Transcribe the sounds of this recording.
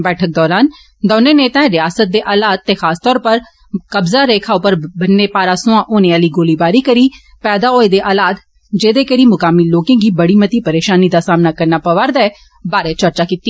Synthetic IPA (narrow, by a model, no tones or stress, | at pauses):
bɛːʈʰək̚d̪ɔːɾaːn | d̪ɔːneːneːt̪ɛ̃ːɾɪjaːsət̪̚d̪eːʔaːlaːd̪̚t̪ːeːxʰaːst̪ɔːɾpəɾ | kəbzaːɾeːkʰaːopəɾbənːeːpaːɾaːsʊãːʔoːnẽːaːliːɡoːliːbaːɾiːkəɾiː | pɛːd̪aːoːed̪eːʔaːlaːd̪ | d͡ʒeːd̪eːkəɾiːmʊkaːmiloːkẽːɡiːbəɽiːmət̪iːpəɾeːʃaːniːd̪aːsaːmnaːkəɾnaːpəʋəɾd̪ɛː | baːɾeːt͡ʃəɾt͡ʃaːkit̪ːiː